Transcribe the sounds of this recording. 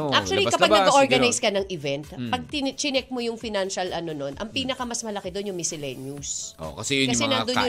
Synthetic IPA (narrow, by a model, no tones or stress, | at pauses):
ʔak̚t͡ʃuɐlikɐpɐɡnɐɡɐʔoɹɡɐnajskɐnɐŋʔɪvɛnt̪pɐɡ̚tɪnt͡ʃɪnɛk̚mojʊŋfɪnanʃɐlʔɐno̞no̞nʔɐŋpiːnɐkɐmɐsmɐlɐkɛd̪o̞njʊŋmɪsɪlɛnjuso̰kɐsɛjʊkɐsɛnand̪ojʊ